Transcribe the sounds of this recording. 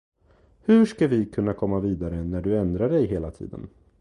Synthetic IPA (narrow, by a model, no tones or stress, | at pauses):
hɵʂkavɪkʰɵnːakʰɔmːaviːd̪aɾənæɖɵɛnd̪ɾaɖɛjɦeːlat̪ʰḭːd̪ə̰n